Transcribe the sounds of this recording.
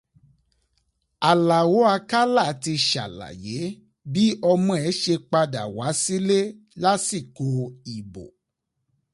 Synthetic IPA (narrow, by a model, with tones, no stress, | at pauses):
a˨la˨wo˨˦a˧ka˦la˦˨ti˧ʃa̰˨la̰˨je˨˦ | bi˦ɔ˧mɔ̃˧ɛ˨˦ʃe˧k͡pa˧da̰˨wa˨˦si˦le˦ | la˦si˦˨ko˧i˨bo̰˨